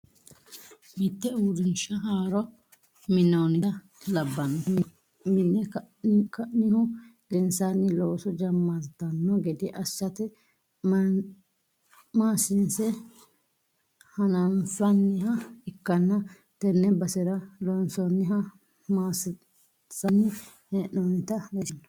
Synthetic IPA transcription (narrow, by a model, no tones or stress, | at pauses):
mɪt̪ːɛuːd̪ɪnʃɐɦaːɾɔ | mɪnːɐwnɪɐ | lɐbːɐnːɔm | mɪnːɛ | kɐʔnɪhʊlɪnsanːɪloːsɔd͡ʒɐmːɐt̪ːɐnːɔɡɛd̪ɪʔɐsːɐt̪ɛ | maːsɪnsɛ | hɐnɐnsɐnːɪhɐɪkːɐnːɐ | t̪ɛnːɛbɐsɛɾɐlɔnsɔnːɪɦɐ | maːs | sɐnːɪ | hɛʔownɪt̪ɐlɐnːɐ̥